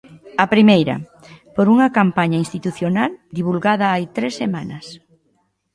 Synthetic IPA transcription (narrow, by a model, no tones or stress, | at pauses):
ɐpɾimejɾɐ̰ | poɾuŋɐkampaɲɐinst̪it̪uθjonald̪iβ̞ulɣaðɐajt̪ɾesːemanɐs